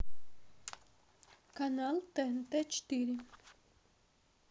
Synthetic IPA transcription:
kanalt̪ɛnt̪ɛt͡ʃt̪iɾi

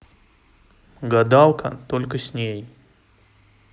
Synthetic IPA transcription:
ɡɐd̪alˠkʰə̰t̪olʲkəsʲnʲej

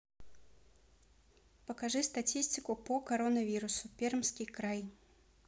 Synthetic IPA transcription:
pəkɐʐɨst̪ɐtʲisʲtʲɪkʊpəkɐɾonəvʲiɾʊsʊpʲermskʲɪjkɾaj

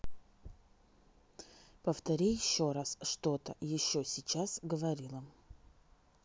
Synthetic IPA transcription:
pəft̪ɐɾʲijɪɕːoɾasʂt̪ot̪ə̰jɪɕːosʲɪt͡ɕasɡəvɐɾʲilˠəm

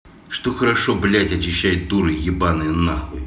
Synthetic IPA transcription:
ʂt̪oxəɾɐʂoblʲætʲɐt͡ɕɪɕːæjɪt̪̚d̪uɾɨjʲɪbanɨjnːaxlˠɨ

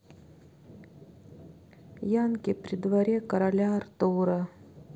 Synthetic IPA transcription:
jankʲɪpɾʲɪd̪vɐɾʲekɐɾɐlʲart̪uɾɐ

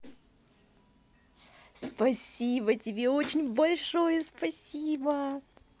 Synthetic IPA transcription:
spɐsʲibətʲɪbʲeot͡ɕɪnʲbɐlʲʂo̞jəspɐsʲibə

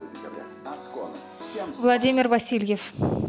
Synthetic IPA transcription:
vlˠad̪ʲimʲɪrvasʲilʲjef

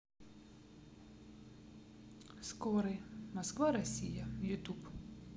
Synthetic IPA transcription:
skɔɾɪmɔskʋaɾɔsʲijɐjʊt̪up

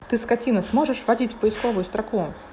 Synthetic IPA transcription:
t̪ɨskat͡sʲinɐsmɔʐɨʂvad͡zʲit͡sʲfpəjɪskɔvʊjʊst̪ɾaku

